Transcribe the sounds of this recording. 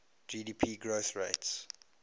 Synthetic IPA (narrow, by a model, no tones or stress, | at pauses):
d͡ʒiːdiːpʰiːɡɹoθɹeɪts